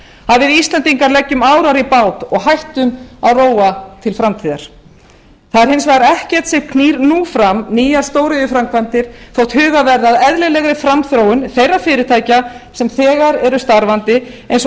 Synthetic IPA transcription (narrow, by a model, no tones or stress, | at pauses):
haðvɪðist̪lɛnt̪iŋkaɾlɛcːʏmaːwɾaɾipaːwt̪ɔɣɦajht̪ʏmaðroːwat̪ʰɪlfɾamt̪ʰiːða̰ɾ̥ | θaðɛɾhɪnsvɛɣɾɛhcɛ̥t̪sɛ̥kʰniːɾnufɾamniːjast̪oːwɾɪʏfɾamkʰvant̪ɪɾ̥θowht̪hʏːɣavɛɾðaðɛðlɪlɛɣɾɪfɾamθɾowʏnθejrafɪːɾɪt̪ʰaːjcasɛmθɛːɣaɾɛɾʏst̪aɾvant̪ɪejns